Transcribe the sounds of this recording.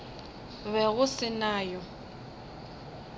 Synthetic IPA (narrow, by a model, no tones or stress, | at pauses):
βɛɣʊsɪnaːjɔ